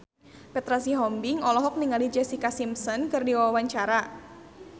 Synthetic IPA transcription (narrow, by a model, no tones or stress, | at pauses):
pɛt̪ɾasiɦɔmbɪŋɔlɔɦɔk̚niŋalid͡ʒɛsikasimsɔnkɨrdiwawawaɲt͡ʃaɾa